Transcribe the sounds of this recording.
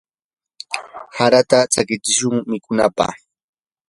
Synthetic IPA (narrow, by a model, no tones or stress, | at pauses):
haɾat̪at͡sakɪt͡ʃɪʃʊŋmɪkʊnapa̰χ